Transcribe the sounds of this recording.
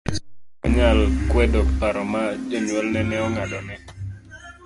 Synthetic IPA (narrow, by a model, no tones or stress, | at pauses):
ɲalkwɛdɔk̚paɾɔmad͡ʒɔɲwɔlnɛnɛɔŋaɗɔnɛ